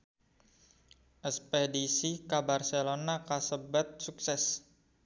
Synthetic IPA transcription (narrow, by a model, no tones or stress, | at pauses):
ʔəspedisikabarselonakasəbat̪̚suksɛs